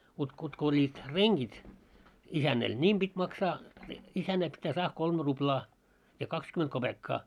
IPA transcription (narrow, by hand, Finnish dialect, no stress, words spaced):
kutk kutk olʲːiːt reŋɡ̊it isænːɛl niːm b̥itʲ mɑksɑː isænːæ pitːæː sɑːh kolmĕ ruplɑː jɑ kɑkskyment kob̥ekːɑː